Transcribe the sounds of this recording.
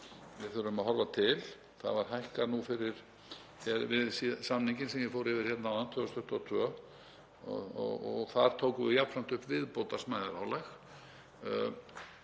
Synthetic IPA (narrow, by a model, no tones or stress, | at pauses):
vɪɾθʏɾʏmaðhɦɔɾvat̪ʰɪl | θa̰ðvaɾ̥ɦajhkaɾnufɪɾɪɾ̥ | θɛɾvɪðsisamniɲcɪnsɛmjɛfoːwɾɪvɪɾ̥çjɛt̪nawant̪ʰœːɣst̪ʏht̪at̪ʰvœ | ɔ̰ɔ̰ɔɣθaɾ̥t̪ʰoːwkʏvɪjap̪sam̥t̪ʏhpvɪðpowt̪asmajðaɾa̰wlajx